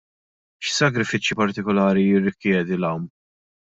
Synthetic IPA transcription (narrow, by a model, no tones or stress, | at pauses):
ʃsɐkɾɪfɪt͡ʃːjipɐɾt̪ɪkɔlɐːɾijɪrːɪkjɛːd̪ilɐwm